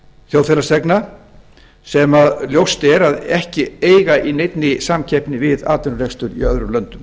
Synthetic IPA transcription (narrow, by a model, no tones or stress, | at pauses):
θjoːwðfɛlasɛkna | sɛmaðljowst̪ɛɾaðɛhcɪeːjɣaʔinejt̪nɪsamcʰɛjpnɪvɪðaːt̪ɛɾʏɾejxst̪ʏɾḭœðɾʏlœnt̪ʏm